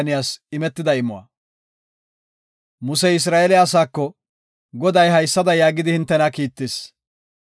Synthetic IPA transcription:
nɪjaːsɪmɛt̪ːɪd̪ɐɪmʊwa̰ | mʊsɛɪs̬ɾaːʔɛlɪaːs̬aːkːɔ | ɡɔd̪ɐjɦɐjsːɐd̪ɐjaːɡɪd̪ɪhɪnt̪ːɛnakiːt̪ːeːs

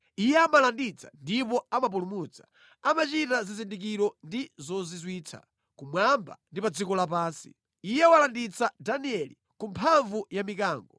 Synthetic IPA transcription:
ijɛamalandit͡sḁ̰ndipɔamap̬ulumut͡sḁ | amat͡ʃitazizindik̬iɾɔndizɔzizwiːt͡sʰa̰ | kumwamba̰ndipad͡zikɔlap̬aːnsi̥̰ | ijɛwalandit͡sadaniɛlḭ | kumpʰaɱvujamikaːŋɡɔ

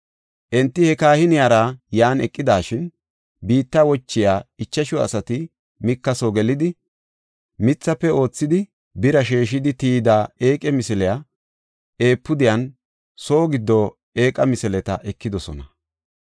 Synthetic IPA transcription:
ʔɛnt̪ːɪhɛkaːhɪnɪjaːɾajaːnɛkʼːɪd̪aːʃɪn | biːt̪ːawɔt͡ʃːɪjaːɪt͡ʃːɐʃɔɐ̰sɐt̪ɪ | mɪkːɐsoɡɛlɪd̪ɪ | mɪt͡sːɐpːɛo̞ːt͡sːɪd̪ɪ | bɪɾɐʃeːʃ̬ɪd̪ɪt̪iːd̪aːeːkʼɛmɪsɛlɛja | e̞ːpːʊd̪ɪjɐn | so̞ːɡɪd̪ːɔ | e̞ːkʼɐmɪsɛlɛt̪ɐʔɛkːɪd̪ɔsɔ̰nɐ

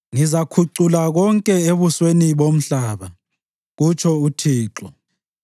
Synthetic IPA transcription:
ŋizakʰuǀulaɣɔŋkʼɛeβusweniβom̩ɬaːβa | ɣut͡ʃʰɔutʰiːǁɔ

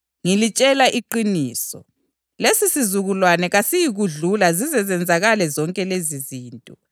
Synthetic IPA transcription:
ŋilit͡ʃʼɛlaʔiǃiniːsɔ̰ | lesisizuɣulwanɛɣasijiɣuɮulazizɛzɛnd͡zʱaɣalɛzɔŋkʼɛleziziːntʼɔ

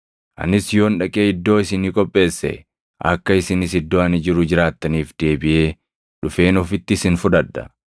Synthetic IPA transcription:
ʔɐ̰nɪsjo̞ːnᶑɐkʼeːɪd̪ːoːɪsɪnikʼɔpʼːe̞ːsːɛ̰ | ʔɐ̰kːɐɪsɪnɪsɪd̪ːoːɐnɪd͡ʒɪɾʊd͡ʒɪɾaːt̪ːɐniːfd̪̥e̞ːbɪʔeː | ᶑʊfe̞ːnɔfɪt̪ːɪsɪnfʊᶑ̪ɐd̪ːɐ̥̰

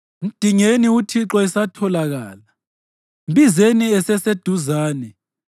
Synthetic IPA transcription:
m̩d̥ʱiŋeniutʰiǁɔɛsatʰɔlaɣaːla | mbizeniɛsɛsed̥ʱuzaːnɛ

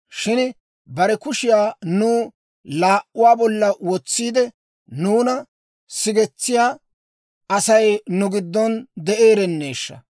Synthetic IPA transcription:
ʃɪn | bɐɾɛkʊʃɪjaːnuː | laːʔːʊwaːbɔlːɐwɔt͡sːiːd̪ɛ | nuːnɐ | sɪɡɛt͡sːɪjaː | ɐsɐjnʊɡɪd̪ːɔnd̪ɛʔeːɾɛnːe̞ːʃːɐ̰

